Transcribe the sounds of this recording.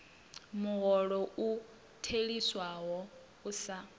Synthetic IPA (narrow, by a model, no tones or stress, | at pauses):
muɣɔɺɔʔu | tʰeɺiswaɦɔ | usa